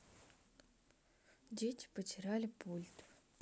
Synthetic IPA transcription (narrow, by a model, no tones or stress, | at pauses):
dʲetʲɪ̥pət̪ʲɪɾalʲɪpʰulʲt̪